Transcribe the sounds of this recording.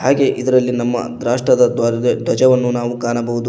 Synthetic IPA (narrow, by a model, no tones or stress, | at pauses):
haːɡe̞ʔid̪ɐɾɐlːinɐmːɐ̰d̪ɾaːʂʈɾɐd̪ɐd̪ʱwɐd͡ʒɐʋɐnːunaːʋukaːɳɐbɐɦud̪u